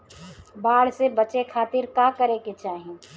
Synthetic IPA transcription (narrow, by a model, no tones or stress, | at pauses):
baːɽsebət͡ʃekʰaːt̪ɪɾkaːkəɾeket͡ʃaːɦiẽ